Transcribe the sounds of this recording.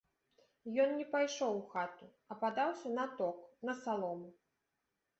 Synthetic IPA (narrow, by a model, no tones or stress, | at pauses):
jɔnnʲɛpajʂɔwxat̪u | ɐpad̪awsʲɐnɐt̪ɔknɐsalˠɔmu